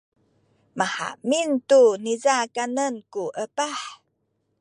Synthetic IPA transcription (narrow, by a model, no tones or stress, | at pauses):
maħa̰ʔmintunizakanənkuʔəpaħ